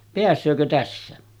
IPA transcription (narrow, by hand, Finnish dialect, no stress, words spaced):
peæsˑøːkø tæsːæ